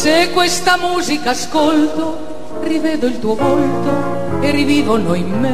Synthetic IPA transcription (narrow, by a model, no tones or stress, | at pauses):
sekwest̪amuzikaːskolt̪o | rivɛd̪oilt̪uopolt̪o | eriviːvonoimme